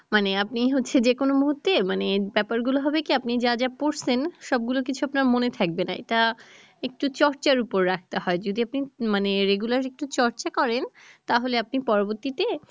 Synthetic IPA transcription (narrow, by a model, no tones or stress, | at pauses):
maneapniɦotːɕʰed͡ʑekonomuɦut̪ːemanebɛpaɾɡuloɦɔbekiapnid͡ʑad͡ʑapoɾsenʃɔb̚ɡulok̬it͡ɕʰuapnaɾmonet̪ʰak̚benaḛʈa | ek̚ʈut͡ɕɔɾt͡ɕaɾupoɾːak̚ʰt̪eɦɔed͡ʑod̪iapnimaneɾeɡulaɾek̚ʈut͡ɕɔɾt͡ɕakɔɾent̪aɦoleapnipɔɾoboɾt̪it̪e